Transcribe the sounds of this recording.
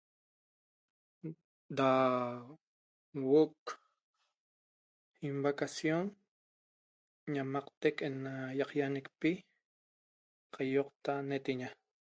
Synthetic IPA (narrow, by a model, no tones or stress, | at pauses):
d̪a | woʔk | imbakasjon | ɲamɑqt̪ekenajɑqjanekpi | qʰɑjoqt̪anet̪eɲa